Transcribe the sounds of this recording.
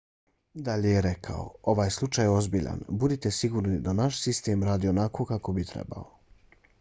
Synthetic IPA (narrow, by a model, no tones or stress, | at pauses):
d̪aʎejeɾe̞kʰa̰o̰o̞ʋaːjslˠut͡ʃajo̞zbiʎa̰nbud̪it̪e̞siɡuːɾnid̪anaʃsist̪eːmɾaːd̪iːo̞nakʰo̞ːkako̞bit̪ɾḛba̰o